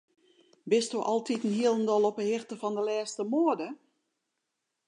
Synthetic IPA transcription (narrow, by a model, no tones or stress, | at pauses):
bɪstoʔɔlˠtʰitn̩hiəlˠəndɔlˠɔpəhɪxtəfɔndəlɛːstəmoədə